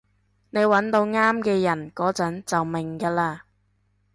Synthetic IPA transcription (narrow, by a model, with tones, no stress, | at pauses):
ne˨˧jwɐ˨˥nt̪o˧wŋaː˥mkɛː˧jɐ˨˩nkɔː˨˥t͡sɐ˨˥nt͡sɐ˨wmɪ˨˩ŋkaː˧laː˧